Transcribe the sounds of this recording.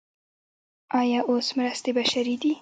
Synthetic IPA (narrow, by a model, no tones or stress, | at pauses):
ʔɑjɑʔosmɾast̪ebaʃaɾid̪i